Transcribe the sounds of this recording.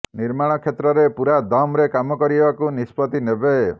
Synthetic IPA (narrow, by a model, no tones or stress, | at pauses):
niɾmaɽ̃ɔkʰet̪ɾɔɾepuɾad̪ɔmɾekamɔkɔɾibakunispɔt̪inebe